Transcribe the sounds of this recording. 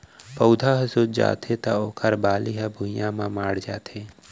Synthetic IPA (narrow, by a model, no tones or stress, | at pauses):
pəʊd̪ʱaɦɐsuːd̪d͡ʒa̰ːt̪ʰet̪aoːkʰəɾbaːliɦabʱujãmãmaːɽd͡ʒaːt̪ʰeː